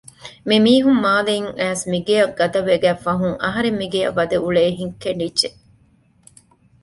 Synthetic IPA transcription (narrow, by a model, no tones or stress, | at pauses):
mimiːɦumːaːleiŋæːsmiɡejɐɡɐd̪ɐʋeɡæːfɐɦuŋɐɦɐɾemːiɡejɐ̰ʋːɐd̪ɐʔuɭeːɦiŋkeɳɖidd͡ʒe